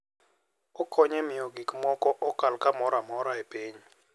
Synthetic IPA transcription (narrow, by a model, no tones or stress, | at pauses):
ɔkʰɔɲɛmiɔɡikmɔkʼɔʔɔkalkamɔɾamɔɾaepeːɲi